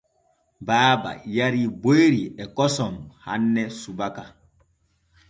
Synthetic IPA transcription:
baːba̰jaɾibojɾiɛkɔsɔmha̰nːɛsubaka

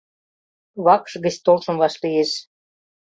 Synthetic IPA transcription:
βɑkʃɡə̆ɕt̪olʃɤ̆mvɑʃlijeʃ

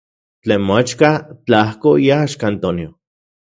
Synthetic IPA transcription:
t͡ɬeːnmoat͡ʃkat͡ɬahkojaʃkant̪onjo

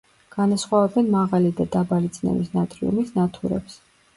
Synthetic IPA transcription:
ɡ̥anasχwavɛbɛnmaʁalid̪ad̪abalit̪sʰʼnɛ̰misnat̪ʼɾḭṵmisnat̪ʰuɾɛ̰ps

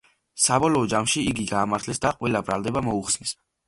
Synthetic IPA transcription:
sabɔlɔːd͡ʒamʃiiɡiɡaːmaɾt̪ʰlɛsd̪aqʼwɛlabɾald̪ɛbamɔuχsnis

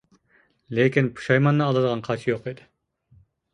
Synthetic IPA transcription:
lekʲinpʰu̥ʃɑjmɑnːɨːlˠɨd̪əʁɑnqʰɑt͡ʃʰijoqid̪ɪ

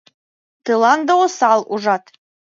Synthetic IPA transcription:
t̪ɯlˠɑnd̪owosɑlˠuʒɑt̪

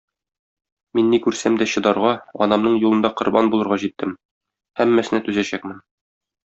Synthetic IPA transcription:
minːikʉɾsæmd̪æɕɤ̆d̪ɑɾʁɑɒ̰nɑmnɤɴjulˠɤ̆nd̪ɑqŏɾbɑnbulˠɤ̆ɾʁɑʑit̪ʰːɘm | hæmːæsɘ̆næt̪ʉzæɕæk̚mɘn

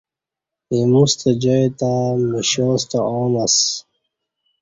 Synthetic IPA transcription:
emust̪ad͡ʑɔet̪amiɕɔst̪aɔːnas

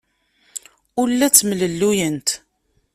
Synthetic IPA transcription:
ʊɾlːæt͡sːmələlːujənt̪

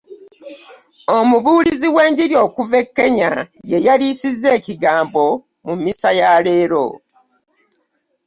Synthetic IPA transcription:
o̞muβuːliziwe̞ːɲɟiɾjo̞ːkuve̞kːe̞ɲaje̞jalisizːe̞ːciɡaːmbo̞ | mumisajale̞ːɾo̞̰

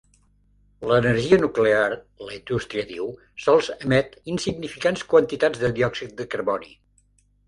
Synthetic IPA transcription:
ləːnəɾʒiənuklear | ləind̪ust̪ɾiəðiw | sɔlˠzəmɛt̪insiɡnifikanskwənt̪it̪ad͡zzðəðiɔksit̪̚d̪əkəɾβɔnḭ

